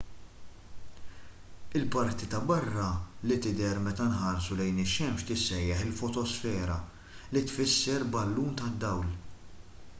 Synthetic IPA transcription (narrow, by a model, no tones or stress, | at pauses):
ɪlpɐɾt̪it̪ɐbɐrːɐlɪt̪ɪd̪ɛɾmɛt̪ɐnħɐɾsulɛjnɪʃɛmʃt̪ɪsːɛjːɐħɪlfɔt̪ɔsfɛːɾɐ | lit̪fɪsːɛɾbɐlːuːnt̪ɐd̪ːɐwl